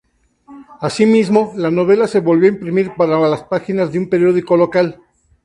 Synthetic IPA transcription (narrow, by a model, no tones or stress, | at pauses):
asimizmo̞lano̞β̞e̞lase̞βo̞lβjo̞aimpɾimiɾpaɾalaspaxinazðeumpe̞ɾjo̞ðiko̞lo̞kal